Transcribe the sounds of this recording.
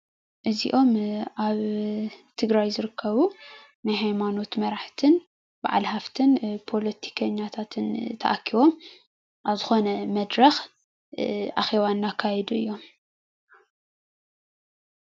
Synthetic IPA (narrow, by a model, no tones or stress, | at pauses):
ʔɨzḭʔo̞mʔaβt̪ʰɨɡɾajzɨɾɨkʰːɐβu | najɦajmano̞t̪mɐɾaħt̪ʰɨn | b̥a̰ʕa̰lhaft̪ʰɨnpʰo̞lɐt̪ʰi̥kʰɐɲːat̪ʰat̪ʰɨnt̪ʰɐ̰ʔakʰːiβo̞m | ʔaβzɨxo̞nɐmɐd̪ɾɐx | ʔa̰xeβanːakʰːajɛd̪uɨjːo̞m